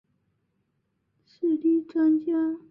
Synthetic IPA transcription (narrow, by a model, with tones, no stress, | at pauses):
ʂɻ̩˥˩li˥˩ʈ͡ʂwa˥ŋt͡ɕja˥